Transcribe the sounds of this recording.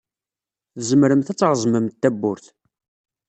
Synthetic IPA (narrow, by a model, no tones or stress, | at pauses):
θəzəmɾəmθæt͡sːɾˤəzˤməmt̪ːæbːʊɾθ